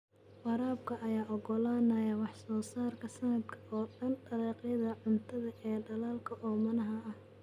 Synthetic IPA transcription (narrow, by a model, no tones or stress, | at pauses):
fɑɾaːbkʰɐʔɐjaːʔɔɡɔlaːnɐjɐwɑħsɔːsaːrkʰɐsɐnɐd̪kʰɐʔɔːɖɐnɖɐɾɛːqjɐðɐʕʊnt̪ʰɐðɐʔɛːɖɐlaːlkʰɐʔɔːmɐnɐɦɐɐh